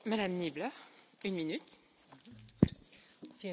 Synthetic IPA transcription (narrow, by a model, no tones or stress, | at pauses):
mad̪amniblœʁ | ynminyt̪